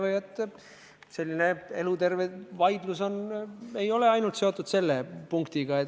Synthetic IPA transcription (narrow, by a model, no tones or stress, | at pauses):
vejet̪ːˑ | se̞lːine̞e̞lut̪e̞rvevɑjd̪̥luso̞ne̞jo̞le̞ɑjnult̪se̞o̞t̪ːˑud̪se̞lːepuŋkt̪iɡɑet̪